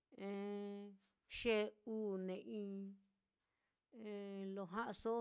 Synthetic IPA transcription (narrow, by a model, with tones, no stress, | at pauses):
ẽ˧ | ʃe˦uː˦nẽ˨ʔĩ˦˧ | ẽ˧lo˧˨ɦã˦ʔa˧so˦